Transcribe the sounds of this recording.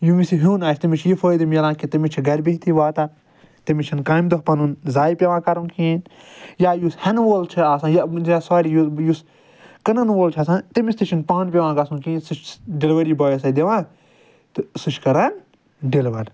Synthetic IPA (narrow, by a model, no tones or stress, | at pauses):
jumisiɦuːnaːt͡ʃʰʲt̪imit͡ʃʰjifʰoːjd̪imjɐlãːkit̪imit͡ʃʰiɡɐɾʲbeɦt̪ʰiʋaːt̪a | t̪imit͡ʃʰinkaːjmd̪oɦpɐnunzaːjpʲeʋãːkɐɾunkĩːn | jaːjushɛnʋoːlt͡ʃʰiaːsãːjɐjasaːɾijujus | kɐnɐnʋoːlt͡ʃʰaːs̬ãːnt̪imisʲt̪it͡ʃʰinpãːnpʲeʋãːɡɐsunkĩːnsɨt͡ʃʰɖelʋɐɾiːbaːjɐsɐd̪eʋãː | t̪ɨsɨt͡ʃʰkɐɾɐn | ɖeliʋɐɾ